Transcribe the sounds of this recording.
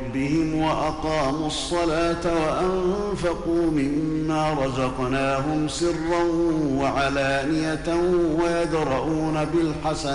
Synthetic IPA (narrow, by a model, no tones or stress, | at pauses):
bɪhɪmwaʔɑqɑːmuɑsˤːɑlaːt̪awaʔanfɑquːmɪmːaːɾˤɑzɑqnaːɦʊmsɪrːanwaʕalaːnɪjat̪awajad̪ɾˤɑʔuːnabɪlħasan